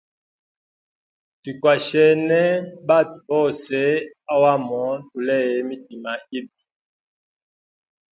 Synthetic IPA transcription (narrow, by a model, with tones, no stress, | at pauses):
ti˨kwa˨ʃɛ˨nɛ˦ba˦˨tbɔ˦˨se˦a˦wa˦mɔ˨˦tu˨lɛ˦˨jɛ˨˦mi˦t̚i˨ma˨i˦b̚i˨